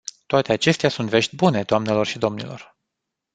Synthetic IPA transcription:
t̪oat̪e̞at͡ʃe̞st̪easunt̪ve̞ʃt̪ʲbune̞d̪oamne̞lo̞rʃid̪o̞mnḭlo̞̰r

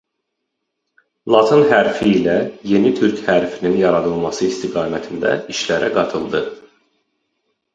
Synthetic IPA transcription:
lˠɑt̪ʰɯnɦæɾfiːlæje̞nit̪ʰyɾchæɾfininjɑɾɑd̪ɯlˠmɑsɯist̪ʰiɡɑːmæt̪ʰind̪æ̰iʃlæɾʔæɡɑt̪ʰɯlˠd̪ɯ

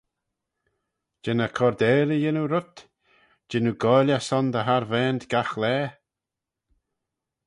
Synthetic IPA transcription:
d͡ʒɛnəkʰɔɾd̪ɛːɾijɪnuɾʊt̪ | d͡ʒɪnuɡɔjljasɔnd̪əɦaɾvɛːnd̪ɡ̥axlɛː

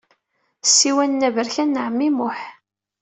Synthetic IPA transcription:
sːiwænːævəɾçænːʕəmːimʊħ

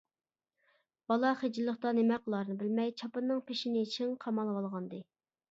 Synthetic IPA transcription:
b̥ɑlˠɑχed͡ʒɪlˠːəχt̪ɑnemɛqəlˠɑɾnɨbɪlmɛjt͡ʃʰɑpɨnːɨŋpʰeʃinɪit͡ʃʰiŋqʰɑmɑlˠwɑlˠʁɑnd̪ɨ

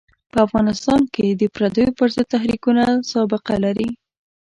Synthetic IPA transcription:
pəafɣɑnɪst̪ɑnked̪əpɾad̪əjopəɾzəd̪̚t̪aɦɾikunasɑbɪqalaɾi

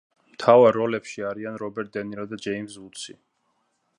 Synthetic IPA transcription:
mt̪ʰavaɾːɔlɛpʃiaɾianɾɔbɛɾt̪̚d̪ɛniɾɔd̪ad͡ʒɛimsut̪sʰi

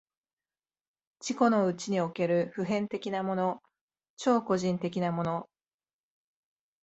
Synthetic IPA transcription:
t͡ɕiko̞no̞ɯ̟t͡ɕiɲ̟io̞ke̞ɾɯ̟ɸɯ̟ɦẽ̞nt̪e̞kʲinamo̞no̞ | t͡ɕo̞ːko̞ʑĩnt̪e̞kʲinamo̞no̞

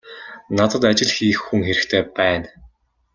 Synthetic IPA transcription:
nat̪ə̆t̪at͡ɕɪ̆ɮxiːxːuŋxeɾɘ̆kt̪ʰeːpæːn

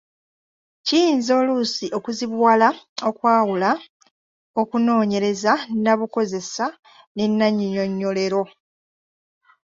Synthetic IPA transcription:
cijiːnzo̞ːlusiʔo̞kuziβwaːlao̞kwaːwula | o̞kuno̞ːɲe̞ɾe̞zanaβuko̞ze̞sa | nenːaɲːoɲo̞ɲːo̞le̞ɾo̞

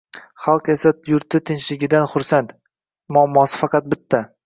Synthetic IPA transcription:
χɑlˠqe̞sajʊɾt̪ɪt̪ʰɪnʃlɪɡʲɪd̪anχʊɾsant̪ | mʊamːɒsɪ̥fɑqɑt̪̚bɪt̪ʰːa

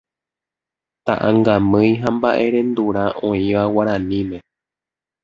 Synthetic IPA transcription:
t̪a̰ʔãŋɡamɨ̃jɦambaʔe̞ɾẽ̞nd̪uɾaʔõ̞ĩʋawaɾãnĩmẽ̞

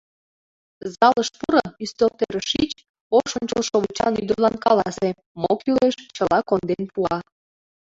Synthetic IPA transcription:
zɑləʃpuɾəyst̪olt̪eɾəʃit͡ɕ | oʃonʲt͡ɕəlʃoβət͡ɕɑ̰nyd̪ərlɑnkɑlɑse | mokjyleʃt͡ɕəlɑkond̪enpuɑ

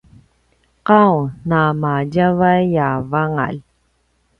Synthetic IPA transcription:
qawnamaɟavajjavaŋa̰l

